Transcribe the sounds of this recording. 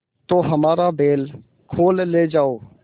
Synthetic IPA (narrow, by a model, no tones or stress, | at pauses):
t̪oːɦəmaːɾabeːl | kʰoːlːeːd͡ʒaːoː